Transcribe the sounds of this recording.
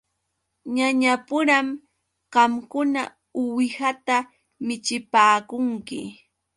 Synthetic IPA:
ɲaɲapʊɾam | ɢɑmkʊna̰ | ʊwɪhat̪a | mɪt͡ʃɪpaːkʊŋkɪ̰

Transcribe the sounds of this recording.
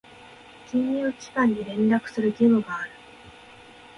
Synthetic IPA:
kʲĩɲʲiɯkʲi̥kãɲ̟ːiɾẽ̞nɾakɯ̥sɨɾɯ̟ɡʲimɯɡaːɾɯ̟

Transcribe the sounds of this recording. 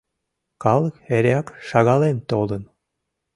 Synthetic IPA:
kɑləkeɾʲɑkʃɑɣɑlent̪olən

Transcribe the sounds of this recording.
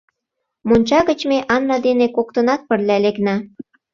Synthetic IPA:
monʲt͡ɕɑɣə̆t͡ɕmeʔɑnːɑd̪enekok̚t̪ənɑt̪̚pərlʲæleknæ

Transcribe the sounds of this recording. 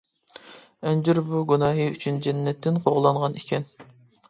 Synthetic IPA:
ɛnd͡ʒyɾbuɡunɑːɦɨy̰t͡ʃʰynd͡ʒɛnːɛt̪ʰːɪnqʰoʁlˠɑɴʁɑnekʲʰɛn

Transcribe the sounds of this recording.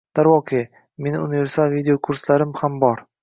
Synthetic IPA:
d̪̥aɾvɒqʰe | me̞nʊnive̞ɾsalˠvid̪eokʰʊɾslaɾɪmhambɒɾ

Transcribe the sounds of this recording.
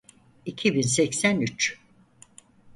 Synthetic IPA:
icʰibinsɛcsænyt͡ʃ

